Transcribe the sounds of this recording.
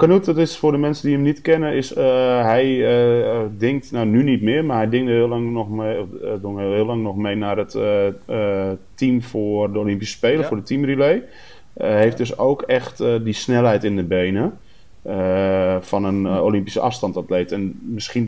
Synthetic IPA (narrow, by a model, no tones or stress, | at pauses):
kənuttɪsfʊrdəmɛnsədiɦəmnitkɪnəɪsɦɛjədɪŋk̚tnanynitmɪːəmarɦɛjdɪŋəɪŋɔxeduŋɦɪːlaŋnɔxmejnarət | timfoərdəolɪmpisə̥speːlˠəfʊːdətʰimrilej | ɦejft̚døsoːkɛxtdisnɛlˠɦɛjtɪndəbeːnə | əfɔnəno̰lɪmpisəʔɑfstɑntatleːtɛnmɪskin